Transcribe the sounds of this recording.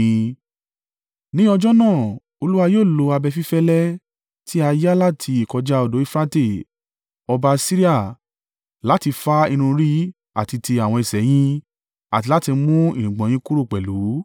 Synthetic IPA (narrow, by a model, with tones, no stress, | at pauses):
nĩ˦ɔ˧d͡ʒɔ˦nãː˦˨ | o˧lu˦wa˧joː˦˨lo˨˧a˧bɛ˧fi˦fɛ˦lɛ˦ | tʰi˦a˧ja˦la˦tʰi˧i˨kɔ˧d͡ʒa˦o˧do˨˦i˦˧fɾã˦te˦˨ | ɔ˧ba˧si˦ɾi˦a˦˨ | la˨˦ti˧fa˦i˧ñũ˧ɾi˦ | a̰˨ti˧ti˧a˨w̃ɔ̃˧i˨sɛ˨˦j̃ĩ˦ | a̰˨ti˨˧la˦ti˧mũ˦i˨nĩ˨ɡ͡bɔ̃˨˦ĩ˦ku˦ɾu˦˨k͡pɛ˨lu˨˦